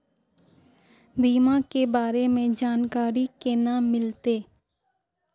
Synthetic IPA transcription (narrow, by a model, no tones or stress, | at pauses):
biːmãkebaːɾemẽd͡ʒaːnkaːɾikeːnaːmɪlt̪eː